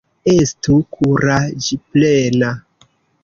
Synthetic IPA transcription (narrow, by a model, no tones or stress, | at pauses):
estukʰuɾad͡ʒiplena